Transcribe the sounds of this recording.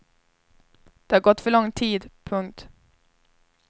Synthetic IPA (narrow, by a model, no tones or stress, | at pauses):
d̪̥ɛhaɾɡɔt̪ːfœɭɔŋt̪ʰiːd̪pʰɵŋk̚t̪